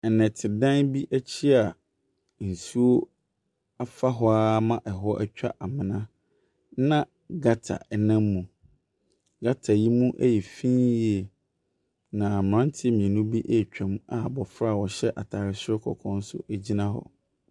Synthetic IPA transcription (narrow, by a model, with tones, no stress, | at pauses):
nɛ̃˨tʰɪ˨dã˦nbi˦ʔæ˦t͡ɕʰi˦a˨ | n̩˨su˦o˦ | a˦fa˦ɦɔ˦a˦mã˦ʔɛ˨ɦɔ˦ʔæ˦t͡ɕᶣa̰˦ʔa˨mɪ̃˨nã˦ | nã˦ | ɡa˦tʰa̰˨ʔɛ˨nã˦mːũ˨ | ɡa˦tʰa˨ji˦mũ˦ʔæ̰˦jɛ˨fĩ˦ji˦ɛ˨ | nã˨m˨ɾã˦n˦tʰɪ˦mĩ˨ɛ̃˨nũ˦bi˦ʔɛ˦˨t͡ɕᶣã˨m˦a˨bɔ˨fɾa˦˨wɔ˨ɕɛ˦ʔa˨tʰaː˨ɾɪ˨sɛ˦kʰɔ̰˨kʰɔ̃˦n˦sʊ̰˦æ˦d͡ʑi˦nã˦ɦɔ̰˨